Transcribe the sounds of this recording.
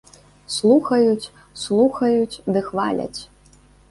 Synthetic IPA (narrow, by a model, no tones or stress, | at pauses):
slˠuxɐjut͡sʲ | slˠuxɐjut͡sʲd̪ɨxva̰lʲɐ̰t͡sʲ